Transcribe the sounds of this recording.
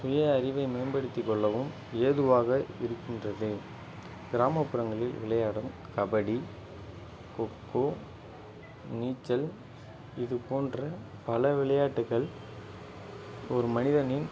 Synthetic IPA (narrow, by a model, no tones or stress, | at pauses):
sʊjɐːɾɪʋɐɪmeːnbɐɽɯt̪ːɪkːɔɭːɐʋɯm | eːðɯʋaːɣɐɪɾɯkːɪndrɐðɯ | ɡ̥ɪɾaːmɐpːɯɾɐŋɡɐɭɪlʋɪ̰ɭɐjaːɽɐmkɐbɐɽi | kɔkːoː | niːt͡ʃːɐl | ɪðɯpoːndrɐ | pɐlɐʋɪɭɐjaːʈːɯɣɐɭ | ɔɾɯmɐnɪðɐnɪn